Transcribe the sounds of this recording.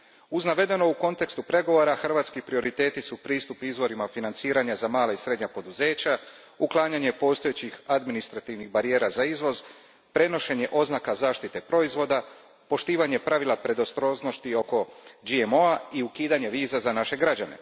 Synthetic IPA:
uznaʋe̞d̪e̞no̞uko̞nt̪e̞kst̪upɾe̞ɡo̞ʋo̞ɾaxrʋaːt̪skipɾio̞ɾʔit̪e̞ːt̪isupɾiːst̪upizʋo̞ɾimafinant̪siːɾaɲazamaːlaisɾe̞d̪ɲapo̞d̪uze̞ːt͡ɕa | uklˠaːɲaɲe̞po̞ːst̪o̞jet͡ɕixad̪minist̪ɾat̪iʋniɣbaɾije̞ːɾazaizʋo̞z | pɾe̞no̞ʃe̞ɲe̞ʔo̞znakazaːʃt̪it̪e̞pɾo̞izʋo̞d̪a | po̞ʃt̪iːʋaɲe̞pɾaʋilˠapɾe̞d̪o̞st̪ɾo̞zno̞st̪io̞ko̞d͡ʒiemo̞aiukiːd̪aɲe̞ʋiːzazanaʃe̞ɡɾad͡ʑane̞̰

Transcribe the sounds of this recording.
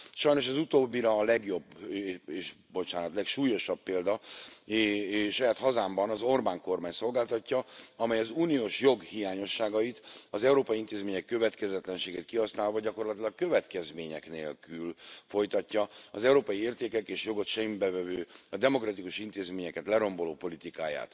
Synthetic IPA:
ʃɒjno̞ʃɒzut̪oːbːiɾɒːlɛɡjo̞beːʃbo̞t͡ʃaːnɒt̪lɛkʃuːjo̞ʃɒbːeːld̪ɒ | ʃɒjaːt̪hɒzaːmbɒnɒzo̞rbaːŋko̞rmaːɲso̞lɡaːlt̪ɒcːɒɒmɛjɒzuːnijoːʃjo̞ɡhijaːɲo̞ʃːaːɡɒjit̪ɒzɛuɾoːpɒiint̪eːzmeːɲɛkːø̞vɛt̪kɛzɛt̪lɛnʃeːɡɛt̪̚kiɦɒsnaːlvɒɟɒko̞rlɒt̪ilɒkkø̞vɛt̪kɛzmeːɲɛknḛːlkylfo̞jt̪ɒcːɒɒzɛuɾoːpɒjieːrt̪eːkɛkeːʃjo̞ɡo̞t̪ʃɛmbɛvɛvøːɒd̪ɛmokrɒt̪ikuʃint̪eːzmeːɲɛkɛt̪lɛɾo̞mbo̞loːpo̞lit̪ika̰ːja̰ːt̪

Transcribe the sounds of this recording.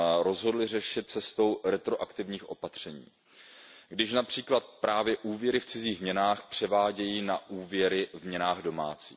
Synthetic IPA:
ɾo̞zɦo̞dlɪrɛʃɪt̪̚t͡sɛst̪o̞wɾɛt̪ɾo̞ʔakt̪ɪvɲiːxʔo̞̰pat̪r̝̥ɛɲḭː | ɡdɪʃnapr̝̥iːklat̪̚pɾʔaːvjɛʔuːvjɛɾɪft͡sɪziːɣmɲɛnaːxpr̝̥ɛvaːɟɛjiːnaʔuːvjɛɾɪvmɲɛnaːɣdo̞maːt͡sḭː

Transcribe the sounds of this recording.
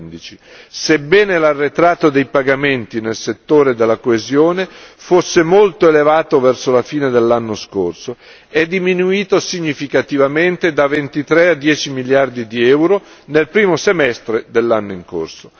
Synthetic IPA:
nd̪it͡ʃi | sebɛːnelarːet̪ɾaːt̪ːod̪ejpaɡament̪inelset̪ːoːɾed̪elːakoezjoːnefosːemolt̪oelevaːt̪ovɛrsolafiːned̪elːanːoskorso | ɛd̪ːiminuiːt̪osiɲːifikat̪ivament̪ed̪avent̪it̪ɾead̪jɛːt͡ʃimiljard̪id̪iɛwɾonelpɾiːmosemɛst̪ɾed̪elːanːoiŋko̰rso

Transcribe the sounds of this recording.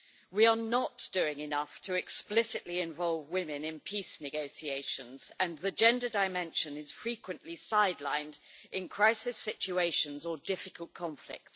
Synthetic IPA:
wiənətd̥ʉɪ̃ŋɪnʌftʰəɛksplɪsɪʔliɪ̃ɱvɒlˠvwɪ̃mɪ̃nɪ̃npʰisnɨɡoʊsieɪʃə̃nz̥ə̃nðəd͡ʒɛ̃ndədaɪmɛ̃nʃə̃nɪz̥fɹiˑkwə̃nʔlisaɪdˡlãɪ̃ndɪ̃nkʰɹ̥aɪsɪsɪt͡ʃueɪʃə̃nzədɪfɪkəlˠʔ̚kʰɒ̃ɱflɪ̰k̚ts

